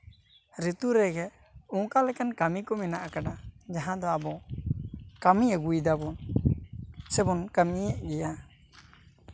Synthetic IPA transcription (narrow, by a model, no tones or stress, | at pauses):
ɾit̪uɾɛɡɛ | ɔ̃kalɛkankamikɔmɛnaʔakaɖad͡ʒaɦãd̪ɔabɔ | kamiɛɡujd̪abɔn | sɛbɔnkamiɛʔɡɛja